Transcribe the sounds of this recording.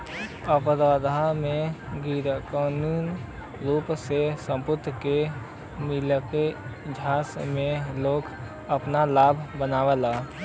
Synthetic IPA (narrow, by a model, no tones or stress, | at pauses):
əpɾad̪ʱamẽɡiɾkaːnuːn | ɾuːpsesə̃mpʊt̪ke | mɪləked͡ʒʱaːsmẽloːk | əpnalaːbʱbənaːʋəlaː